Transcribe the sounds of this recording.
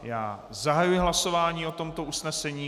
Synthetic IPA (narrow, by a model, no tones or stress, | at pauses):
jaː | zaɦajujɪɦlaso̞vaːɲiːo̞t̪o̞mt̪o̞usnɛsɛɲiː